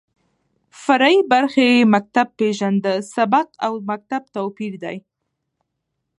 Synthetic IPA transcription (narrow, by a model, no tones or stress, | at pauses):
faɾaibaɾxeemak̚t̪ab̚pːeʒand̪əsabaqawmak̚t̪ab̚t̪awpiɾd̪aj